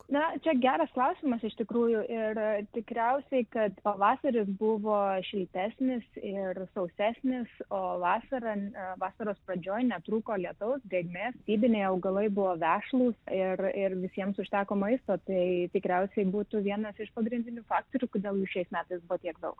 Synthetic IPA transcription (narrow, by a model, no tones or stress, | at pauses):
nɐt͡ʃʲɛɡʲæːɾɐsklˠɑʊsʲɪmɐsɪʃt̪ʲɪkɾuːjʊʔɪrt̪ʲɪkɾʲɛʊsʲɛɪkɐt̪pɐʋɑːsɐɾʲɪs̬bʊʋoːʃʲɪlʲt̪ʲæːsʲnʲɪsɪrsɐʊsʲæːsʲnʲɪsoːʋɑːsɐɾɐʋɑːsɐɾoːsprɐd͡ʒʲoːjnʲɛt̪ɾuːkoːlʲiɛt̪ɐʊsɡɾʲeɛɡmʲeːst̪ʲiːbʲɪnʲeɪɐʊɡɐlˠɐɪbʊʋoːʋʲæːʃlˠuːsɪrɪrʋʲɪsʲiɛmsʊʃʲt̪ʲæːkoːmɐɪst̪oːt̪ɐɪt̪ʲɪkɾʲɛʊsʲɛɪbuːt̪uʋʲiɛnɐsɪʃpɐɡɾʲɪnʲd̪ʲɪnʲuːfɑːk̚t̪oːɾʲuːkoːd̪ʲeːlˠjuːʃʲɛɪsmʲæːt̪ɐɪsbʊoːtʲiɛkd̪ɐʊk